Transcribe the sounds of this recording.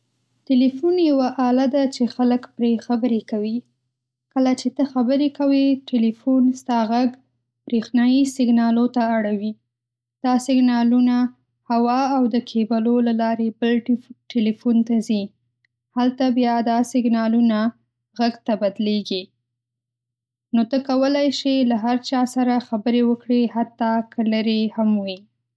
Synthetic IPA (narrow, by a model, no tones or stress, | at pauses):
ʈelifunjawaʔɑlad̪at͡ʃexaləkpɾexabəɾekawi | kəlat͡ʃet̪əxabəɾekawiʈelifunst̪ɑɣaɡ | b̥ɾexnɑjisɪɡnɑlot̪aːɽawi | d̪̥ɑsɪɡnɑluna | hawɑawd̪əkʰebalolalɑɾebəlʈelefunt̪azi | halt̪abjɑd̪ɑsɪɡnɑluna | ɣaɡt̪abad̪leɡi | not̪əkawəlajʃelaɦaɾt͡ʃɑsaɾaxabəɾewəkɽehat̪ːɑkʰələɾehamwi